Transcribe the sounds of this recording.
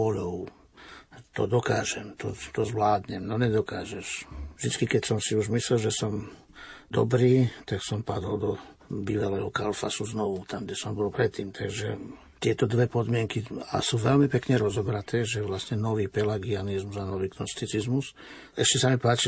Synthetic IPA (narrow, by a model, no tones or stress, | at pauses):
ɔʎɔʊ | t̪ɔ̰d̪ɔkaːʒɛ̰mt̪ɔt̪ɔzʋlaːd̪ɲɛmnɔɲɛd̪ɔkaːʒɛʃvd̪it͡skikɛcsɔmsiuʒmislɛlʒɛsɔm | d̪ɔ̰bɾiːt̪aksɔmpad̪ɔld̪ɔ | biːʋalɛːɦɔkalfa̰suznɔʋut̪amɡɟɛsɔmbɔlpɾɛt̪ːiːmt̪ʰaɡʒɛ | t̪ɪɛt̪ɔd̪ʋɛpɔd̪mɪɛŋkia̰suːʋɛʎmipɛkɲɛɾɔzɔbɾat̪ʰɛːʒɛʋlasɲɛnɔʋiːpɛlaɡianizmuzanɔʋiːknɔst̪it͡sizmus | ɛʃcɛsamipaːt͡ʃi